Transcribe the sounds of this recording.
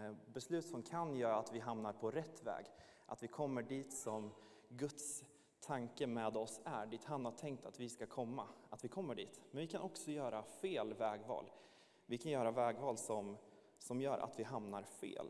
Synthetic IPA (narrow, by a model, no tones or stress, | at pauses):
bɛslʉ̟ːt̪sɔmkʰanjœːɾaːt̪vɪɦamnaɾpʰɔɾɛt̪ːvɛ̰ːɡ | ʔa̰t̪vɪkʰɔmːəɖiːt̪sɔm | ɡɵt̪s | t̪ʰaŋkəmɛːd̪ɔsæɖiːt̪hanhaʈʰɛŋk̚t̪at̪vɪskakʰɔmːaat̪vɪkʰɔmːəɖḭːt̪mɛnvɪkʰanɔksɔjœːɾafeːlvɛːɡvɑ̰ːl | vɪkʰanjœːɾavɛːɡvɑːlsɔm | sɔmjœːɾʔa̰t̪vɪɦamnaɾfḛːl